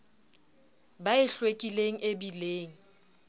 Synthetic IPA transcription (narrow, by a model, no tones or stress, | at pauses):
baɪɬwekʼileŋ̩ʔebileːŋ̩